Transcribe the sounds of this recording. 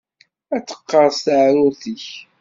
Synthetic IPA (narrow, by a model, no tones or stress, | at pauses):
æt͡sːə̥qːɑɾˤst̪aʕɾʊθəç